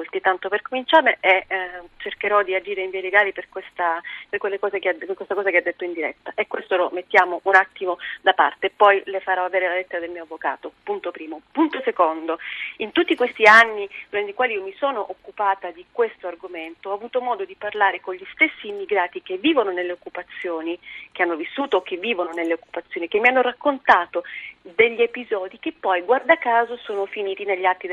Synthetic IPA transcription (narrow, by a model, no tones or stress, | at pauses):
lt̪it̪ant̪operkomint͡ʃaːrneet͡ʃerkeɾɔd̪iad͡ʒiːɾeiɱvieleɡaːliperkwest̪aperkwelːekɔːzekead̪kwest̪akɔːzakead̪ːet̪ːoind̪iɾɛ̰t̪ːaʔekːwest̪olomet̪ːjaːmoʔunat̪ːimod̪apa̰rt̪epɔjlefaɾɔaveːɾelalet̪ːeɾad̪elmiːoavːokaːt̪opunt̪opɾiːmopunt̪osekond̪oint̪ut̪ːikwest̪ianːid̪uɾant̪ikwaːliiːomisoːnoʔokːupaːt̪ad̪ikwest̪oarɡoment̪oɔavuːt̪omɔːd̪od̪iparlaːɾekoɲʎist̪esːiːmːiɡɾaːt̪ik̟evːiːvononelːeokːupat̪sːjoːnik̟eanːovisːuːt̪oːkːevːiːvononelːeokːu̥pat̪sːjoːnikemːianːorakːont̪aːt̪od̪eʎːiepizɔːd̪ikepːɔjɡward̪akːaːzosoːnofiniːt̪ineʎːat̪ːid̪